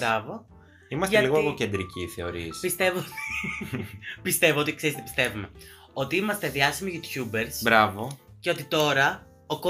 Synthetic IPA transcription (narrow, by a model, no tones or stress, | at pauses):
ɾɐvo | imɐsteɐliɣoeɣoce̞nd̪ɾiciθe̞o̞ɾispist̪evot̪i̥ | pist̪e̞voot̪ikseist̪epist̪e̞vume̞ | o̞t̪iimɐst̪e̞ðiɐsimiʝut̪çube̞ɾsbɾɐvo̞ceo̞t̪it̪o̞ɾɐ | oko